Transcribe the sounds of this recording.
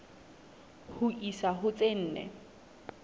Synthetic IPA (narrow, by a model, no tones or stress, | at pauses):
hʊʔisaɦʊt͡sʼen̩ːnɛ̰